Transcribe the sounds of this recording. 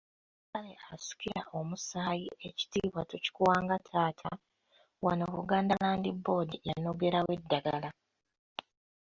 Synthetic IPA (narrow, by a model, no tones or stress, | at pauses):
kaleasu̥ciɾaʔo̞musaːjie̞ci̥tiːβwatoci̥kuwaːŋɡatʰaːtʰa | wanoβuɡaːndalaːndibːo̞ːdijano̞ɡe̞ɾawe̞dːaɡala